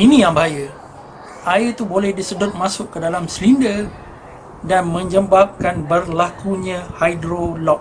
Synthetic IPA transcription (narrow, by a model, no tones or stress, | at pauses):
inĩjaŋbəɦajə | ʔaɪrt̪ubolɛhdisədʊt̪̚mãsʊʔkədalamslindər | danmə̃ɲd͡ʒəmbap̚kanbərlakuɲãhajdɾolɔk̚